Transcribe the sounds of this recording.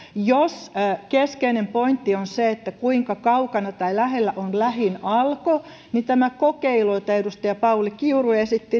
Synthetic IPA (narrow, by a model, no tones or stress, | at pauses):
joskeskeinempoint̪ːionseet̪ːækuiŋkɑkɑukɑnɑt̪ɑilæhelːæʔonlæhinɑlko | nit̪æmækokeiloit̪æedust̪ɑjɑpɑulikiuruesit̪ːi